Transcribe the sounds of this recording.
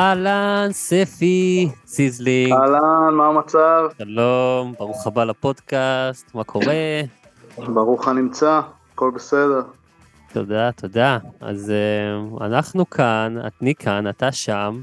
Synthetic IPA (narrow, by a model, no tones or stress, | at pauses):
alansefisizlialanmamat͡savʃalombaʁuχabalapo̞d̪kast̪makʰo̞ʁe̞ | baʁuχanimt͡saː | ko̞lbesedeʁ | t̪o̞̰d̪at̪ʰo̞daa̰zea̰naχnukʰana̰t̪nikʰanat̪aʃam